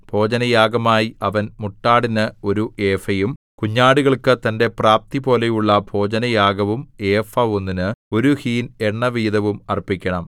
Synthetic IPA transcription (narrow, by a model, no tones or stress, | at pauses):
b̥ʱo̞ːd͡ʑɐnɐjaːɡɐmaːjiʔɐʋɐnmuʈːaːɽinɨo̞ɾuʔe̞ːfɐjum | kuɲːaːɽuɣɐɭkɨt̪ɐnde̞praːp̚t̪ibo̞ːle̞juɭːɐbʱo̞ːd͡ʑɐnɐjaːɡɐʋume̞ːfɐonːinɨo̞ɾuhiːne̞ɳːɐʋiːd̪ɐʋumɐrpːikʲːɐɳɐm